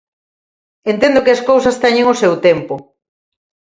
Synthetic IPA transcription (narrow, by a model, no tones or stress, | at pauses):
ent̪ɛnd̪ʊkɪɐskowsɐst̪ɛɲeŋʊsɛwt̪ɛmpʊ